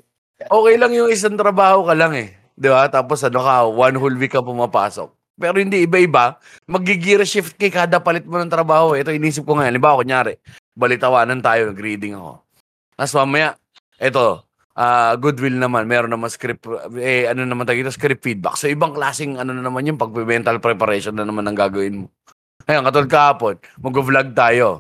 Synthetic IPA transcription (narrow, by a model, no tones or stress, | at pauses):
ʔo̞ːkɛjlɐŋjʊŋɪs̬aŋt̪ɾɐbaːho̞kɐlaŋɛ | d̪ɪbat̪aːposʔɐnokɐwanhulwikːɐpʊmɐpa̰ːso̞̰k̚ | pɛːɾohɪnd̪iɪbaʔɪba | mɐɡiɡiːɾɐʃɪft̪̚kɐjkaːd̪ɐpɐlɪt̪̚monɐŋt̪ɾɐbaːhoʔɛɛt̪ohɪniːs̬ɪp̚koŋɐjoʔɐlɪmbaːwokoɲjaːɾɛʔ | bɐlɪt̪ɐwaːnɐnt̪aːjonɐɡɾiːd̪ɪŋɐ̰ko̞̰ | nasmaːmɐjaʔ | ʔɛt̪o̞ | ʔaːɡʊd̪wɪlnɐmanmɛːɾo̞nɐmaŋskɾɪpɛɐnonɐmanaːjoit̪oskɾɪpfid̪̚bɐ̰k̚so̞ʔɪbaŋklaːsɪŋɐno̞nɐnɐmanjʊŋpɐɡ̚pɛmɛnt̪ɐlpɾɛpɐɾɛnʃonːɐnɐmanɐŋɡaːɡɐwɪnmo | ʔɐjonkɐt̪od̪̚kɐhaːpo̞nmɐɡvlaɡ̚t̪aːjo̞